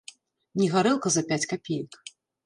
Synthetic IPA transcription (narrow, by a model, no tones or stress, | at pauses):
nʲiɣaɾɛlˠkɐzɐpʲat͡sʲkapʲejɐk